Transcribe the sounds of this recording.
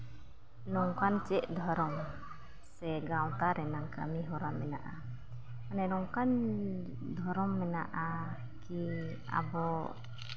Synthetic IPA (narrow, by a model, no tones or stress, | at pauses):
nɔŋkant͡ʃɛʔd̪ʱɔɾɔŋ | sɛɡawt̪aɾɛnaŋka̰miɦɔɾamːɛna̰ʔa | anɛnɔŋkan | d̪ʱɔɾɔŋmɛnaʔa | ki | a̰bɔ